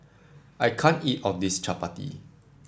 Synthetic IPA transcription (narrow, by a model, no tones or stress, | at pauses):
ʔajkʰãnitɔfdistɹapatḭ